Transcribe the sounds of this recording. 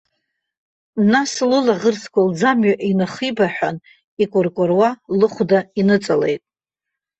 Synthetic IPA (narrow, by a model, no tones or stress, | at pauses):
naslɨlaʁərsʰkʷald͡zamɥaʔinɨχibaħʷᶣan | ikʷʼʊrkʷʼʊrwalɨχʷdainɨt͡sʼalejtʼ